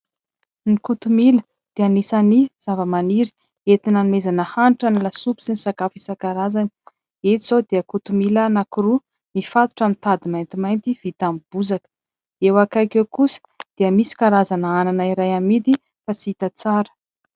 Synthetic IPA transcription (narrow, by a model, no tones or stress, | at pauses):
nikut̪umilə | d̪̥eanisaniz̥avəmaniɾi̥ | et̪inanimezanəhanʈ͡ʂanilasupi̥sinisakafisakaɾazani | et̪iz̥od̪eəkut̪umilənakuɾu | mifat̪u̥ʈ͡ʂamint̪ad̪imajnt̪imajnt̪iv̥it̪amb̥uzakə̥ | ewakajkewkusə̥d̪̥eəmisi̥kaɾazanəananaiɾajamid̪i | fat͡siit̪at͡saɾə̥